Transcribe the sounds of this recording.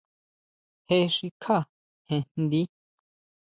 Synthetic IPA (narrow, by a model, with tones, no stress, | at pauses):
he˦ʃi˧kʰa˦˨ | hẽ˧nn˦d̪i˦